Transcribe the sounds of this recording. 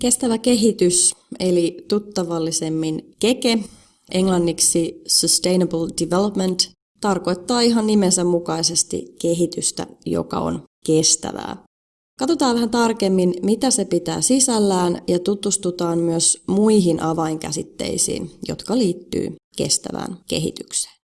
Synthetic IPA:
ke̞st̪æʋæke̞ɦit̪yselit̪ut̪ːɑʋɑlːise̞mːinke̞ke | ʔe̞ŋlɑnːiksisøst̪e̞jnebəldiʋelopment̪ | t̪ɑrko̞jt̪ːɑːiɦɑnnimensæmmukɑise̞st̪ḭke̞ɦit̪yst̪æ̰jo̰kɑ̰o̞̰nke̞st̪æ̰ʋæ̰ː | kɑt̪o̞t̪ɑːʋʋæɦænt̪ɑrke̞mːinmit̪æse̞pit̪æ̰ːsisælːæːnjɑt̪ut̪ust̪ut̪ɑːmmyøsmuiɦinʔɑʋɑiŋkæ̰sit̪ːe̞̰isḭːnjo̞̰t̪kɑliːt̪ːy̰ːke̞̰st̪æ̰ʋæ̰ːnke̞̰ɦḭt̪ykse̥ː

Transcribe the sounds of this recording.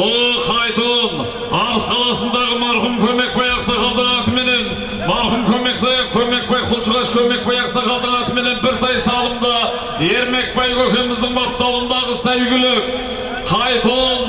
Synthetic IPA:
ʊlˠqʰɑjt̪olˠn | ɑʁəsqʰɑlˠɑsənd̪ɑʁəmɑɾχʊmkʲʰɵme̞k̚bɑjɑqsɑqɑlˠd̪əʁɑt̪əme̞ne̞n | mɑɾχʊmkʲʰɵme̞ksɑjkʲʰɵme̞k̚bɑjqʰʊlˠt͡ʃəʁɑʃkʲʰɵme̞k̚bɑjɑqsɑqɑlˠd̪əɴɑt̪əme̞ne̞nbɪɾt̪ɑjsɑlˠəmd̪ə | e̞ɾme̞k̚pɑjkɵkʲenɪmɪzd̪ɪŋbɑp̚t̪ːɑwˠənd̪ɑʁəsæjɡʲɪlɪk | qʰɑjt̪ʰoln

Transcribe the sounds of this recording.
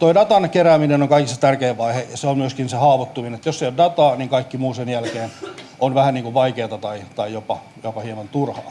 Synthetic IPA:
t̪oidɑt̪ɑnkeræːminenoŋkɑikist̪ɑ̥t̪ærkeːʋʋɑihejɑseommyøskinsehɑːʋot̪ːuminenet̪josːeijoddɑt̪ɑːniŋkɑikːimuːsenjælkeːn | onʋæhænniːŋkuʋʋɑikeːt̪ɑt̪ɑit̪ɑijopɑ | jopɑhiemɑnt̪urhɑ̰ː

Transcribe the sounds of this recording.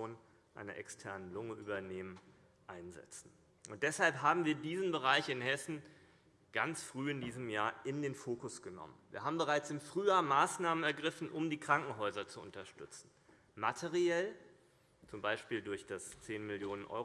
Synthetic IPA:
oːn | ʔa̰ɪnɐ̰ʔɛ̰kstʰɛɐnənlʊŋəʔyːbɐneːmən | ʔaɪnzɛ̰t͡sn̩ | ʔʊnt̚d̥ɛshalpɦaːbm̩viːɐdiːzn̩bəʁ̞aɪçɪnhɛsn̩ | ɡ̥ant͡sfʁ̥yːɪndiːzəmjaːɐɪndeːnfoːkʊsɡ̥ənɔ̰mənvḭːɐɦaːbm̩bəʁaɪt͡sɪmfʁ̥yːjaːɐmaːsnaːmənɛɐɡʁɪfn̩ʔʊmdiːkʁ̥aŋkŋ̩ɦɔʏzɐt͡suʔʊ̰ntɐʃtʏt͡sn̩ | matʰeʁiɛl | t͡sʊmbaɪʃpiːldʊɐçd̥ast͡seːnmɪljoːnənʔɔ̰ʏ

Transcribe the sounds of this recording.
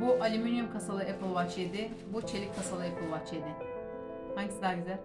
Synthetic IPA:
buʔalʲimynjymkʰasalˠɯepʰɯlˠvat͡ʃed̪ɪ | but͡ʃʰe̞lʲicʲkʰːasalˠɯepʰɯlˠvaht͡ʃed̪ɪ | haɲɟisd̪aːɾɟʲyzælʲ

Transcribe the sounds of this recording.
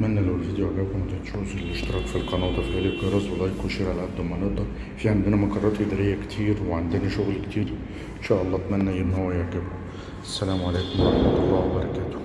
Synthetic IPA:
mænːælæwelfid̪jʊʕaɡæːbkmæt̪æt̪ʃuːfɪlːeʃt̪ɑɾˤɑːkfilqɑnɑːt̪ˤɑfæliɡiɾˤɑzˤɑlːɑːjkuʃiːɾʕalʕad̪ːmæneʔd̪ˤɑɾ | fiːʕamd̪ɪnæmɑqɑrˤːɑːt̪ʔɪd̪ɑɾɪjːækt̪ʰiːɾweʕand̪ɪnæʃʊɣlkt̪ʰiːɾ | ʔɪnʃæːʔɑlˤːɑːt̪mænːæʔɪnːhowːæjaʕɡɪb | ʔæsːælæːmʕaleːkomwɑ̰ɾˤɑħmæt̪ɑlˤːɑːwæbɑɾˤɑkæːt̪o̥

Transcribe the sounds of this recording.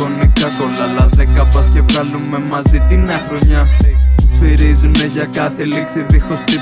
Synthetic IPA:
onikɐt̪olɐlɐðekɐpɐscevɣɐlumemɐzit̪inɐxɾoɲɐ | fiɾizumeʝɐkɐθeliksiðixost̪i

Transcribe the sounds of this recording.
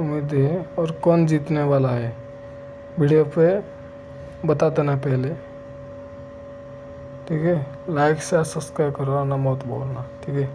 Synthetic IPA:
ʊmid̪ɦɛɔːɾkɔːnd͡ʒiːt̪neʋaːlaɦɛ | bɪɽijope | bɐt̪ad̪enapɛɦle | ʈʰiːkʰɛ | laːɪkʰsasəskɾajkəɾanamɔːt̪bo̰ːlnaʈʰiːkʰɛ

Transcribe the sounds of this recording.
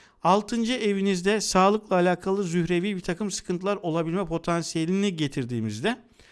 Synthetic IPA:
alˠt̪ʰɯnd͡ʒɯʔe̞vinizd̪ɛsaːlˠɯklˠaːlʲaːkʰalˠɯzyhɾe̞vibit̪ʰakɯmsɯ̥kʰɯnt̪ʰɯlˠaɾo̞lˠabilʲmɛpʰo̞t̪ʰansije̞lʲiniɟe̞t̪ʰiɾd̪iːmizd̪ɛ

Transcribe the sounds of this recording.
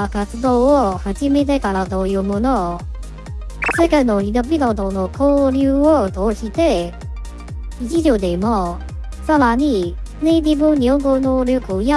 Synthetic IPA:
akat͡sɨd̪oːohad͡ʑimet̪̬ekaɾad̪ojɯ̟mono | sekainoinobid̪od̪onokʰoːɾʲɯːot̪oːɕit̪e | it͡ɕiʑod̪emo | saɾaɲ̟i | ned̪ʲibɯɲʲioɡɯnoːɾʲjokɯja

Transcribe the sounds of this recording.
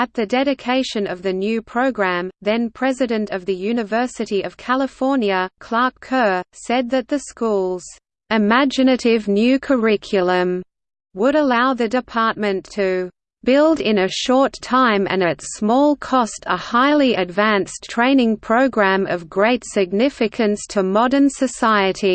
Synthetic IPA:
ɨt̪̚ðɨdɛɾɨkʰeɪʃɨ̃nʌvðɨnjʉpʰɹ̥oʊɡɹæ̃mðɨ̃npʰɹ̥ɛzɨɾɨ̃ntʌvðɨjʉnɨvɜ˞sɨɾiʌv̥kʰælˠəfɔɹnjɨkʰl̥ɑɹkʰɜ˞sɛd̪̚ðɨt̪̚ðɨskulˠz̥ | ɨmæd͡ʒɨnɨɾɪvnjʉkʰə˞ɪkʰjl̩ˠə̃m | wəɾəlaʊðɨdɨpʰɑɹt̚mɨ̃ntʰɨ | b̥ɪlˠdɪ̃nɨʃɔɹtʰãɪ̃mɨ̰̃nɨtsmɔlˠkʰɔstʰə̰haɪlˠiɨdvæ̃nstʰɹ̥ẽɪ̃nɪ̃ŋpʰɹ̥oʊɡɹæ̃mʌvɡɹeɪtsɨɡ̚nɪfɨkʰɨ̃nstʰəmɑɾə̃˞nsɨsaɪɨɾi

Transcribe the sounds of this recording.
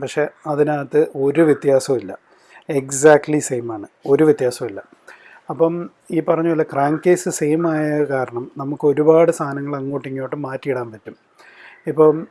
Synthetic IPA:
pɐkʂe̞ɐðinaːt̪ːɨo̞ɾuʋjɐt̪jaːsɐmilːɐ̰ | eksaːk̚ʈlisejmaːɳɨo̞ɾuʋjɐt̪jaːsɐmilːɐ | ɐpːɐm | iːpɐrɐɲːuɐlːɐkraːŋkeːsɨsejmaːjɐkaːɾɐɳɐmnɐmukːɨo̞ɾubaːɽɨst̪ʰaːnɐŋːɐɭɐŋːoːʈːiŋːijoːʈːɨmaːtːijiɽaːnpɐtːum | ipːo̞ːɭ

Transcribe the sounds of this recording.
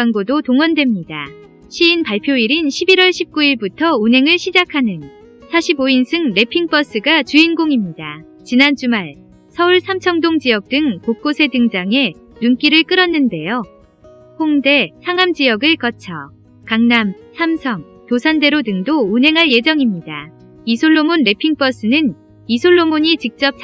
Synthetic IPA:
aŋɡodotoŋwʌndwe̞mɲida | ɕʰiːnpaɭpʰjoiɾinɕʰibiɾʌɭɕʰip̚k͈uiɭbutʰʌunɦe̞ŋɯɭɕʰid͡ʑakʰanɯn | sʰaɕʰiboinsʰɯŋɾe̞pʰiŋp͈ʌs͈ɯɡat͡ɕuinɡoŋimɲida | t͡ɕinant͡ɕumaɭ | sʰʌuɭsʰamt͡ɕʰʌŋdoŋd͡ʑijʌk̚t͈ɯŋpok̚k͈osʰe̞dɯŋd͡ʑaŋe̞ | nuŋk͈iɾɯɭk͈ɯɾʌnːɯnde̞jo | hoŋde̞sʰaŋamd͡ʑijʌɡɯɭk͈ʌt͡ɕʰʌ | kaŋnamsʰamsʰʌŋ | tosʰande̞ɾodɯŋdounɦe̞ŋɦaɭje̞d͡ʑʌŋimɲida | isʰoɭːomonɾe̞pʰiŋp͈ʌs͈ɯnɯn | isʰoɭːomoɲit͡ɕik̚t͡ɕ͈ʌp̚t͡ɕ

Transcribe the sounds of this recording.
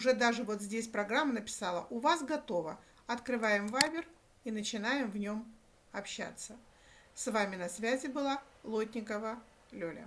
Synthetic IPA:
ʊʐɛd̪aʐɨvo̞t̪zʲdʲesʲpɾɐɡɾamːənəpʲɪ̥salˠə̰ʔʊvasɡɐt̪o̞və | ɐt̪kɾɨvajɪmvajbʲɪr | inət͡ɕɪnajɪmvnʲo̞m | ɐpɕːa̰t̪sə | svamʲɪnɐsvʲæzʲɪbɨlˠa | lˠotʲnʲɪkəvə | lʲolʲə̰

